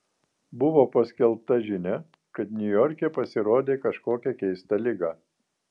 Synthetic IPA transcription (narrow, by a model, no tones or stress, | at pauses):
bʊʋoːpɐsʲkʲɛlˠp̚t̪ɐʒʲɪnʲɛ | kɐt̪nʲʊjɔɾʲkʲɛpɐsʲɪɾoːd̪ʲeːkɐʃkoːkʲɛkʲɛɪst̪ɐlʲɪɡɑː